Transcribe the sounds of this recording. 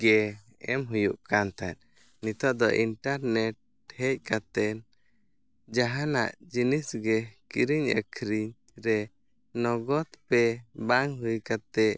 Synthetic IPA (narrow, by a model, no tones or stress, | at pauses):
ɡɛ | ɛ̰mɦujuʔkant̪at̪̚ | nit̪ɔʔd̪ɔʔinʈaɾnɛʈ̚ | hɛc̚kat̪ɛn | d͡ʒaɦana̰ʔd͡ʒinisɡɛkiɾiɲə̰kʰɾiɲ | ɾɛ | nɔɡɔt̪pɛbaŋɦujkat̪ɛ